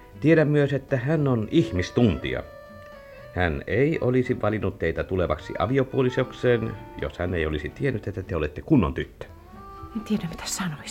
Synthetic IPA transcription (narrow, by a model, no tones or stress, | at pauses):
t̪ieɾæmmyøset̪ːæhænːonihmist̪unt̪ḭɑ̰ | hæneˑiʔolisiʋʔɑlinːut̪t̪eit̪æt̪uleʋɑ̰ksḭʔɑ̰ʋiopuolisokseːnjo̰shæneiolisit̪ienːyt̪et̪ːæt̪eolet̪ːekunːo̰nt̪yt̪ːø̥ | ent̪ieɾæmmit̪æ̥ssɑnois